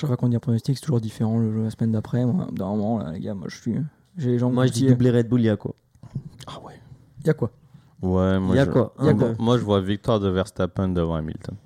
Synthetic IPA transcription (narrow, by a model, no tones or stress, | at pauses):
ʃapakɔ̃d̪iɛ̃pʰχɔnɔst̪iksɛ̥t̪uʒuʁd̪ifeʁɑ̃ləlasəmɛnd̪apχɛmwad̪əmɔmɑ̃la̰lḛɡamwa̰ʒəsɥiə | ʒeleʒɑ̃mwaʒəd̪id̪ubleʁɛd̪̚buljakwa̰ | awɛ | jakwa | wɛmwajakwajaamwaʒəvwavik̚t̪waʁd̪əvɛʁst̪apɛ̃nd̪əvɑ̃a̰mḭlt̪ɔn